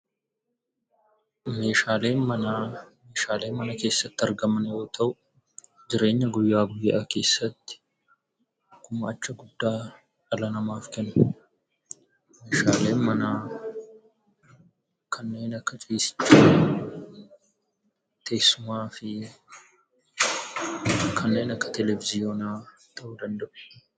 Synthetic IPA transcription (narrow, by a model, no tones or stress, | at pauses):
me̞ːʃaːle̞ːnmɐname̞ːʃaːle̞ːmɐnɐke̞ːsːɐt̪ːɪɐɾɡɐmɐnjo̞ːt̪ʰɐʔʊ | d͡ʒɪɾe̞ːɲːɐɡʊjːaːɡʊjːake̞ːsːɐt̪ːɪ̥ | kʊmɐɐt͡ʃːɐɡʊd̪ːaː | ᶑɐlɐnɐmaːfkɛnʊ | meːʃaːle̞ːnmɐnaː | kʰɐnːe̞ːnɐkːɐt͡ʃʼiːsɪ̥t͡ʃːaː | t̪ʰe̞ːsːʊmaːfɪ | kʰɐnːe̞ːnɐkːɐ̥t̪ɛlɛvɪzɪjoːnaː | t̪ʰɐʔʊd̪ɐnd̪ɐʔʊ̥